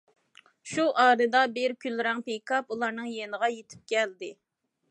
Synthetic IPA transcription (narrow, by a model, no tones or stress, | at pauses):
ʃuʔɑːɾɨd̪ɑbɪɾkʲʰylɾɛŋpejkɑpulˠɑɾnɨŋjenəʁɑjet̪ʰɪ̥p̚kʲʰɛld̪ɪ